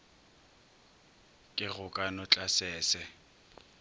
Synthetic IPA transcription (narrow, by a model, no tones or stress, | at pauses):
kʼɪɣʊkʼanɔt͡ɬʼasɛːsɛ